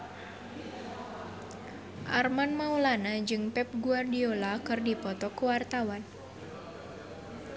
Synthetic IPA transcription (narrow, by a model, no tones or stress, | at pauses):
ʔarmanmaulanad͡ʒɨŋpɛp̚ɡuardiolakɨrdipɔt̪ɔkuwart̪awan